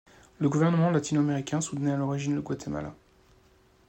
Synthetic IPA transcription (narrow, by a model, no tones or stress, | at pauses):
ləɡuvɛʁnəmɑ̃lat̪ʰinameʁikʲɛ̃sut̪nɛalɔʁiʒinləɡwat̪ʰema̰la̰